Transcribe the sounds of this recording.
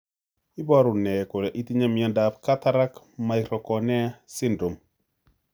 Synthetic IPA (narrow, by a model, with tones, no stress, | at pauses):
i˦bɔ˦ɾʊ˨nɛ˨kʊ˨lɛ˨ʔi˦ti˦ɲa˦mi˨a˦nda˨pka˦ta˦ɾa˦k | ma˨jɾɔ˨kɔ˨nɛ˦sɪ˦ndɾo˨m